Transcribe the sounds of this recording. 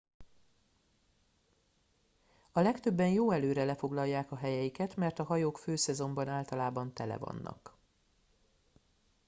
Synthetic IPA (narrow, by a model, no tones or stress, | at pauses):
ɒlɛkt̪øbːɛnjoːɛløːɾɛlɛfo̞ɡlɒjːaːkɒɦɛjɛjikɛt̪mɛrt̪ɒɦɒjoːkføːsɛzo̞mbɒnaːlt̪ɒlaːbɒnt̪ɛlɛ̰vɒ̰nːɒ̰k